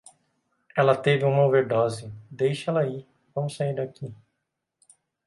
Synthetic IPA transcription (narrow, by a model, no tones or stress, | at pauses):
ɛlɐt̪evɪũmɐveɾd̪ɔzɪd̪ejʃɛlɐi | vɐ̃mʊsaiɾd̪aki